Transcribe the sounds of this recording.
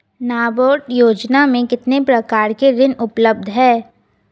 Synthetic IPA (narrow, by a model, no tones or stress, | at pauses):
naːboːʈjoːd͡ʒnamẽkɪt̪nepɾɐkaːɾkeɾɪnʊpləb̚d̪ʱɦɛː